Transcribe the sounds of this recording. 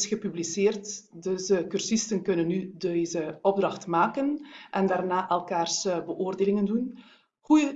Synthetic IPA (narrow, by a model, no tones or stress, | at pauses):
sxəpybliseːrt | dəzəkyrsɪstənkɵnənːydezəɔb̚drɑxtmaːkənʔɛndaːrnaːʔɛlˠkaːrsbəʔoːrdeːlɪŋəndun | ɣujə